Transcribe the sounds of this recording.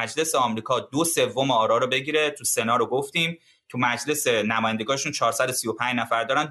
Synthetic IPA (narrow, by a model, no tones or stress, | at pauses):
æd͡ʒle̞seɒmɾiːkʰɒːd̪ose̞vːo̞meɒːɾɒːɾobe̞ɟiːɾe̞t̪ʰuse̞nɒːɾoɡoft̪iːm | t̪ʰumæd͡ʒle̞senæmɒːjænd̪eɡɒːneʃunt͡ʃʰɒːɾsæd̪osijopʰæ̃nd͡ʒnæfæɾd̪ɒːɾæn